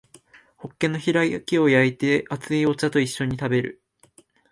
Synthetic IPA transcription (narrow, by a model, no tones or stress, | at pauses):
ho̞kːẽ̞nːo̞çiɾaikʲio̞jait̪e̞ʔat͡sɨio̞t͡ɕat̪o̞iɕːo̞ɲ̟it̪abe̞ɾɯ̟̰